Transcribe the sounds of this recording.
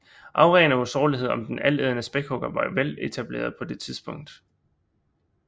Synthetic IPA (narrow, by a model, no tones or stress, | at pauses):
ʔɑ̈ʊʁeːnəusɒːliɦe̝ð̞̰ˠɒ̽md̥enæleð̞ˠənəsb̥eɡ̥hɔɡ̥ɐʋɑ̈ʋele̝t͡sʰæb̥le̝̰ːɐð̞ˠpʰɒ̽d̥e̝t͡sʰiðˠsb̥ɔ̽ŋ̰d̥